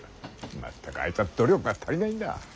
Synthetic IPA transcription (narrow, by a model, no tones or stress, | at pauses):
ma̰t̪ʰːakɯa̰it̪ad̪̥oɾʲjokɯ̟ɡat̪ʰaɾʲinaĩnd̪a̰